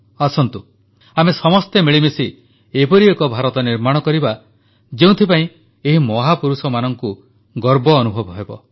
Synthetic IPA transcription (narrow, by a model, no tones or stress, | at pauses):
asɔnt̪u | amesɔmɔst̪emeɭimesi | epɔɾiekɔbʱaɾɔt̪ɔniɾmaɽ̃ɔkɔɾiba | d͡ʒeũt̪ʰipaĩ | eɦimɔɦapuɾusɔmanɔŋku | ɡɔɾbɔːnubʱɔbɔɦebɔ